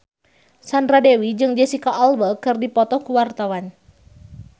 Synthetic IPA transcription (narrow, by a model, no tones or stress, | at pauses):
sanradewid͡ʒɨŋd͡ʒɛsikaʔalwəkɨrdipɔt̪ɔkuwart̪awan